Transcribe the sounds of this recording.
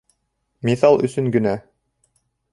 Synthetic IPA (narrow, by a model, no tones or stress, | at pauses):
miθɑlˠɵ̰̆sɵŋɡɵ̆næ